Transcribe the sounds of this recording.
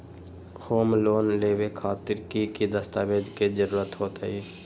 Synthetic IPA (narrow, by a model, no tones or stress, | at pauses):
hoːmloːnleːʋekʰaːt̪ɪɾkikid̪əst̪aːbeːd̪kizəɾuːɾət̪ɦoːt̪a̰iː